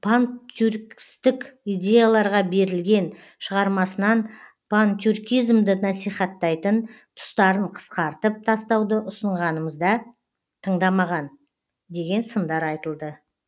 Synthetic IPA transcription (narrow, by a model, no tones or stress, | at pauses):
pʰanuɾkʲst̪ɪkʲijd̪ʲe̞jalˠɑɾʁɑbe̞ɾɪlɡʲe̞n | ʃəʁɑɾmɑsənɑn | pʰant̪ʲurkʲijzmd̪ɪnɑsijχɑt̪ːɑjt̪ənt̪ʰʊ̥st̪ɑɾəɴqʰə̥sqɑɾt̪əp̚t̪ʰɑst̪ɑwd̪əʔʊsəɴʁɑnəməzd̪ɑ | t̪ʰəɴd̪ɑmɑʁɑn | d̪e̞ɡʲe̞nsənd̪ɑɾɑjt̪əlˠd̪ə